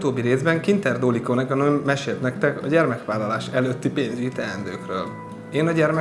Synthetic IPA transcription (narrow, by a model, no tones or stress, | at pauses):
t̪oːbːiɾeːzbɛŋkint̪ɛrd̪oːlikonɛkɒnømːɛʃeːlt̪nɛk̚t̪ɛkɒ̰ɟɛrmɛkʋaːlːɒlaːʃɛløːt̪ːipeːnzyit̪ɛlɛnd̪øːkrø̰ːl | eːnɒɟɛrmɛ